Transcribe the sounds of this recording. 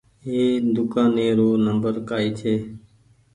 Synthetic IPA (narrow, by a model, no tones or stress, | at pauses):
ɦeːd̪ʊkãːnẽːɾoːnəmbəɾkaːiːt̪ʰeː